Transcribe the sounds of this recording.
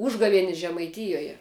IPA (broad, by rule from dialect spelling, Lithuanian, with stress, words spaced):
ˈuːʒɡɐʋʲiɛnʲɪs ʒʲɛmɐɪˈtʲɪjoːjɛ